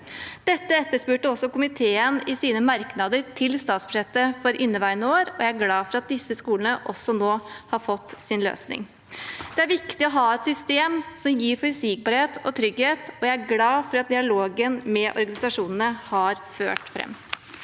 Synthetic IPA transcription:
d̪̥ɛt̪ːəɛt̪ːəʂpʉːʈːəɔsːɔkʊmɪt̪ʰeːənɪsiːnəmɑɾknɑd̪əɾʈʰɪlst̪ɑːt̪sbʉ̥ʂɛt̪ːəfɔɾʔɪnːəʋæɪənəoːɾɔjæɪæɾɡlɑːfɔɾɑt̪̚d̪ɪsːəskuːlənəʔɔsːɔnoːhɑɾfɔt̪ːsɪnlø̰ːsnɪ̰ŋ | d̪̥ɛæɾʋɪkt̪ɪɔɦɑːɛt̪sʏst̪eːmsɔmjiːɾfɔɾsiːk̚bɑːɾheːt̪ɔt̪ʰɾʏɡheːt̪ɔjæɪæɾɡlɑːfɔɾɑt̪̚d̪ɪɑloːɡənmɛʔɔ̰ɾɡɑnɪsɑʂuːnn̩əhɑɾfø̰ːʈfɾɛ̰mː

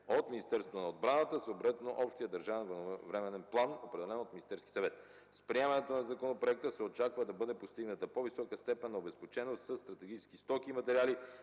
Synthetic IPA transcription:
ot̪minist̪ɛɾsvot̪onɐod̪̚bɾanət̪əsoːbɾɛt̪noʔɔpʃt̪ijəd̪ɐɾʒavɛnvɐnvɾɛmɛnɛnplˠanopɾɛd̪ɛlɛnot̪minist̪ɛɾskʲi̥sɐvɛt̪ | spɾiɛmɐnɛt̪onɐzɐkonopɾoɛk̚t̪əsɛot͡ʃakvəd̪ɐbɤd̪ɛpost̪iɡnət̪əpovisɔkəst̪ɛpɛnːɐobɛspot͡ʃɛnost̪səst̪ɾɐt̪ɛɡit͡ʃɛ̥skist̪ɔkiːmɐt̪ɛɾiali

